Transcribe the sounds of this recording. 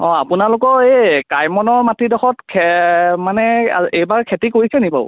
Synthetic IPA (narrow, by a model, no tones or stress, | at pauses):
ɔ̃apʊnalʊkɔekajmɔnɔɹmatidɔxɔtkʰɛmanɛa̰ejbaɹkʰetikoɹisɛnipa̰ʊ̰